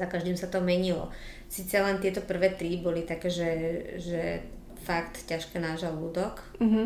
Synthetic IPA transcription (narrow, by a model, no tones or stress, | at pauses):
zakaʒd̪imsat̪ɔmɛɲilɔ̰ | siːt͡sɛlɛnt̪ɪɛt̪ɔpr̩ʋɛːt̪ɾibɔlit̪akɛːʒɛʒɛ | fakt̪caʃkɛːnaːʒaluːd̪ɔk | m̩ɦ̩